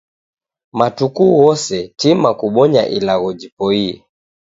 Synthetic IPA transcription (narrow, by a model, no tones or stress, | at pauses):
matukuwɔsɛtimakuɓɔɲa̰ʔilaɣɔd͡ʒipɔiɛ̰